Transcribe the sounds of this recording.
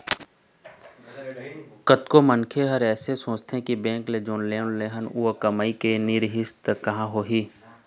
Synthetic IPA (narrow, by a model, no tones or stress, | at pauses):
kət̪komənkʰeɦəɾɛːsesõːt͡ʃt̪ʰẽkibɛ̃ːŋkled͡ʒoːnleːʊnleːɦənuːkəməikenɪɾɦɪst̪kɐɦãɦoːɦiː